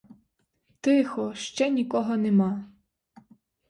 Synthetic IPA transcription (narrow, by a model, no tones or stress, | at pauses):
t̪ɪxɔʃt͡ʃɛnʲikɔɦɔnemɑ